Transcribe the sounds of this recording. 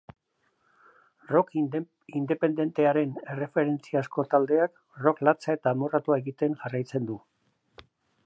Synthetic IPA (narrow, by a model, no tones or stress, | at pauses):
rok | ind̪e̞pe̞nd̪e̞nt̪e̞aɾe̞ne̞re̞fe̞ɾe̞nt͡siasko̞t̪ald̪e̞ak | ro̞klat͡sae̞t̪amorat̪uae̞ɣit̪e̞ŋʝarajt͡se̞nd̪u